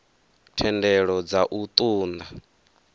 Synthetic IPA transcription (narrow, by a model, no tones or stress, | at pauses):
tʰɛndɛɺɔd͡zaʔut̪ʼuːnd̪a